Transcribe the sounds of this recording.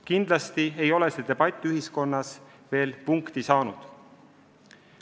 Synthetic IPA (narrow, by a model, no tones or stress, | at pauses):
kind̪̥lɑst̪ie̞jo̞le̞sed̪̥e̞b̥ɑt̪ʲːˑyɦisko̞nːɑs | ve̞ːlpuŋkt̪isɑːnud̪̥